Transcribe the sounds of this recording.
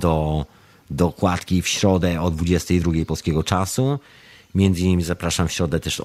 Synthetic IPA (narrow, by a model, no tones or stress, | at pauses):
d̪ɔ | d̪ɔkwat̪kʲifɕɾɔd̪ɛɔd̪vud͡ʑɛst̪ɛjd̪ɾuɡʲejpɔlskʲɛɡɔt͡ʂasu | mʲjɛnd̪zɨɲimʲizapɾaʂamfɕɾɔd̪ɛt̪ɛʂ